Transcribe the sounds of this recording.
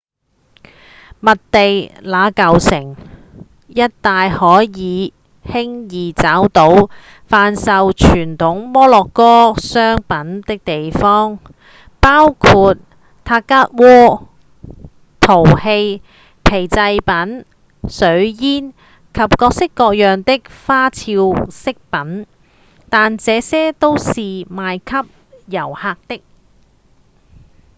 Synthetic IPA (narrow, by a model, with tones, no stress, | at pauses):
mɐ˨t̚t̪e˨jlaː˨˥kɐ˨wsɪ˨˩ŋ | jɐ˥t̚t̪aː˨jhɔː˨˥jiː˨˧ | hɪ˥ŋjiː˨t͡saː˨˥wt̪o˨˥w | faː˧nsɐ˨wt͡ʃʰyː˨˩nt̪ʰʊ˨˥ŋmɔː˥lɔː˨kːɔː˥sœː˥ŋpɐ˨˥nt̪ɪ˥k̚t̪e˨jfɔː˥ŋ | paː˥wkʰuː˧t̚ | t̪ʰaː˧kːaː˥t̚wɔː˥ | t̪ʰo˨˩whe˧j | pʰe˨˩jt͡sɐ˧jpɐ˨˥n | sɵ˨˥ɥjiː˥n | kʰɐ˨p̚kɔː˧k̚sɪ˥kːɔː˧k̚jœː˨ŋt̪ɪ˥k̚faː˥t͡sʰiː˧wsɪ˥k̚pɐ˨˥n | t̪aː˨nt͡sɛː˨˧sɛː˥t̪o˥wsiː˨maː˨˧jkʰɐ˥p̚ | jɐ˨˩whaː˧k̚t̪ɪ˥k̚